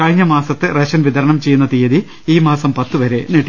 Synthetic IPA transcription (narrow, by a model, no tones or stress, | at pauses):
kɐɻɲːɐmaːsɐt̪ːɨreɕɐnʋid̪ɐɾɐɳɐmt͡ɕe̞jːunːɐt̪ijɐði | iːmaːsɐmpɐt̪ːuʋɐɾe̞neːʈːi